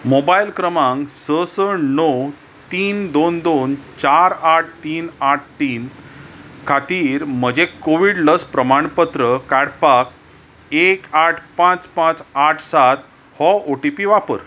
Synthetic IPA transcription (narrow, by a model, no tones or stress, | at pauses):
mobajlkɾəmaŋsəsəɳnɔw | t̪iːnd̪ond̪ont͡ɕaɾaʈ̚ʰt̪iːnaʈ̚ʰt̪iːn | kʰat̪iːɾm̤əd͡ʑekoʋiɽləspɾəmaɳpət̪ɾəkaɽpak | ekaʈʰpãt͡spãt͡saʈʰsat̪̚ | hɔoʈipiʋapə̰ɾ